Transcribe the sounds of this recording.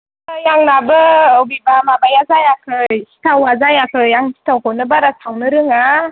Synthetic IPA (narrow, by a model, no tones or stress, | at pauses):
jaŋnabɯːwbibamabajazajakʰɯjsi̥tʰawazajakʰɯjaŋʰi̥tʰawkʰawnɯbaɾasʰawnɯɾɯŋa